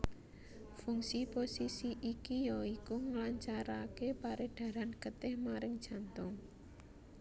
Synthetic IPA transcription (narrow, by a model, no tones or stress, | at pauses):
fuŋsiposisiʔikijɔikuŋlaɲt͡ʃaɾakepaɾeɖ̪̥ä̤ɾanɡ̥ə̤t̪ɪhmaɾɪŋd̥ʒ̥a̤nt̪ʊŋ